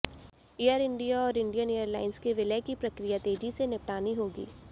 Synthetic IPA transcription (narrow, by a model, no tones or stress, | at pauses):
ejəɾɪ̃ɳɖijaɔːɾɪ̃ɳɖijəneːəɾlaːɪnskeʋɪləkipɾɐkɾijat̪eːd͡ʒisenɪpʈaːniɦoːɡḭː